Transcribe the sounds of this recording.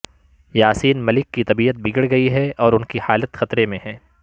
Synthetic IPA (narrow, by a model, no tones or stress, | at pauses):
jaːsiːnmɐlɪkːit̪ɐbiːət̪̚bɪɡəɽɡɐiɦɛɔːɾʊnkihaːlət̪xɐt̪ɾemẽɦɛ̃ː